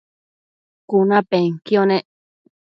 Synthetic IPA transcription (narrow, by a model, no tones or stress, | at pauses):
kunãpeŋkjonẽ